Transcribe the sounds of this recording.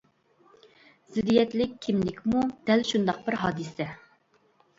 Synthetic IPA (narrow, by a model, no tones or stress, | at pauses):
z̥ɪd̪ijɛt̪lɪkʲʰːimlɪkʲmud̪̥ɛlʃund̪ɑq̚bɪɾɦɑːd̪ɨsɛ